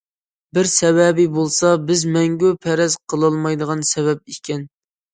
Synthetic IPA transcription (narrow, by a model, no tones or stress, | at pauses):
bɪɾsɛvɛbɪbolˠsɑbɪzmɛŋɡʲupʰæɾɛzqʰəlˠɑlˠmɑjd̪əʁɑnsɛvɛp̚ikʲʰɛn